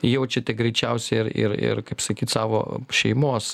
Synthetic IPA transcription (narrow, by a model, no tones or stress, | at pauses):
jɛʊt͡ʃʲɛt̪ʲɛɡɾʲɛɪt͡ʃʲɛʊsʲɛɪrɪ̰ɾɪ̰ɾkɐɪpsɐkʲiːt̪sɑːʋo̰ːʃʲɛɪmoːs